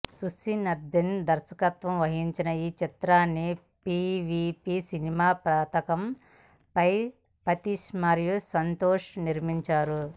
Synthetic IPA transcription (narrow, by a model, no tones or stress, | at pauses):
susinɐɾd̪ind̪ɐɾʃɐkɐt̪ʋɐmʋɐɦiɲt͡ʃinɐiːt͡ʃit̪ɾaːnːi | piːʋipisinimaːpɾaːt̪ɐkɐm | pɐj | pɐt̪iʃmaːɾjusɐnt̪oːʂniɾmiɲt͡ʃaːɾu